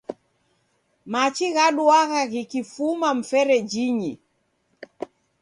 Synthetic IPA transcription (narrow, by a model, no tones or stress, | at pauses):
mat͡ʃiɣaɗuaɣaɣikifumam̩fɛɾɛd͡ʒiɲi